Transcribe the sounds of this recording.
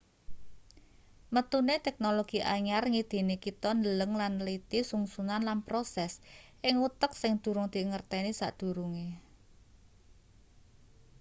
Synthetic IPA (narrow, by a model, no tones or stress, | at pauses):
mət̪unet̪ɛk̚noloɡ̥i̤ʔaɲarŋid̪̥i̤nikit̪ɔndələŋlanlit̪isuŋsunanlanpɾosɛsʔɪŋut̪əksɪŋd̪̥ṳɾʊŋd̪̥i̤ŋərt̪ɛnisa̰ʔd̪̥ṳɾuŋe